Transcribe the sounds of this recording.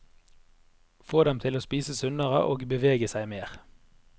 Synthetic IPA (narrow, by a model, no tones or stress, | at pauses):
foːd̪ɛmt̪ʰɪloːspiːsəsʉnəʁə̰ʔoːɡbəʋeːɡəsæɪmeːʁ